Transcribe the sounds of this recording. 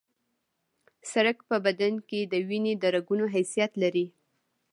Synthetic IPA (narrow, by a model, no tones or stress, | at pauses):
saɾakpəbad̪anked̪əwined̪əɾaɡunoɦajsijat̪laɾi